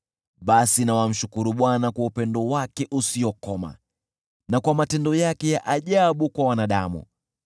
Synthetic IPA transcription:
ɓasinawam̩ʃukuɾuɓwanakwaupɛndɔwakɛʔusiɔkɔma̰ | nakwamatɛndɔjakɛjaʔaʄaɓukwawanaɗamṵ

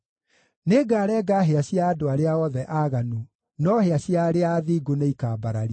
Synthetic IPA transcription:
neːɡaːɾɛːɡaɦeaɕiaːdoaɾeaɔðɛʔaːɣanu | nɔheaɕiaɾeaːðiːɡoneikaːbaɾaɾi

